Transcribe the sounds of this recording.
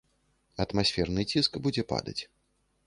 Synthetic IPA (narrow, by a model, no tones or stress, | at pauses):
ɐt̪masʲfʲɛrnɨt͡sʲiskbud͡zʲɛpa̰d̪ɐ̰t͡sʲ